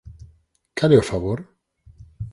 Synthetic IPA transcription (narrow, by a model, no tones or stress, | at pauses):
kaleofaβoɾ